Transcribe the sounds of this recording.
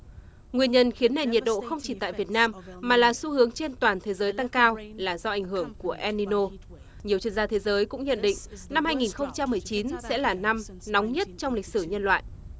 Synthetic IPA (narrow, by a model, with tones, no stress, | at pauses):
ŋwi˧ənɲə˧nxi˨˦ənːe˨˩ɲi˨˩ət̚ɗo̰˧˨xə˧wŋ͡mt͡ɕi˧˩t̪a̰ː˧˨jvi˨˩ət̚naː˧mːaː˨˩laː˨˩su˨˧˦hɨ˨˦əŋt͡ɕe˧nt̪waː˨˩nt̪ʰe˨˦zəː˨˦jt̪a˧ŋkaː˧wlaː˨˩zɔ˧ʔa˨˧˩ŋɦɨ˧˩əŋku˧˩əʔɛ˧ni˧no˧ | ɲi˨˩əwt͡ɕwi˧ənzaː˧t̪ʰe˨˦zəː˨˦jkʊ̰˧˥ŋ͡mɲə̰˧˨nɗḭ̈˧˨ŋ̟na˧mhaː˧jŋi˨˩nxə˧wŋ͡mt͡ɕa˧mːɨ˨˩əjt͡ɕi˨˦nsɛ̰˧˥laː˨˩na˧m | nɔ˨˦wŋ͡mɲə˦˥t̚t͡ɕɔ˧wŋ͡mlï˨˩k̟̚sɨ˧˩ɲə˧nlwa̰ː˧˨jʔ